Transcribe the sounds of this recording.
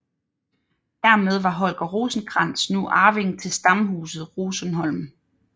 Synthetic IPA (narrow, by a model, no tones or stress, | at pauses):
d̥æɐmeð̞ˠʋɑ̈ɦɒ̽lɡ̥ɐʁuːsn̩ɡ̥ʁɑn̰snuʔɑ̈ːʋe̝ŋt͡sʰe̝lsd̥ɑ̈mɦuːsð̞̩ˠʁuːsənɦɒ̽l̰m